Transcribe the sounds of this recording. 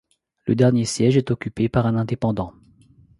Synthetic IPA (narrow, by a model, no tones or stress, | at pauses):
ləd̪ɛʁnjesjɛʒɛt̪ɔkʲypepaʁɛ̃nɛ̃d̪epɑ̃d̪ɑ̃